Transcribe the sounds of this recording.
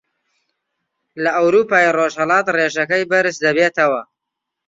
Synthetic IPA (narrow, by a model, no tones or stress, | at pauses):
lɐʔɐwɾuːpaːiroʒhɐlɑːt̪reːʒɐkɐjbɐɾɨsd̪ɐbeːt̪ɐwɐ